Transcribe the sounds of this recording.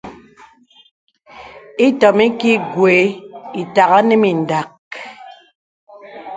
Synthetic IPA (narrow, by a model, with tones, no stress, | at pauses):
i˦tɔ˨mi˦ki˦ɡwe˨˦i˨ta˨ɣa˦ne˦mi˨n̩˨da˨k̚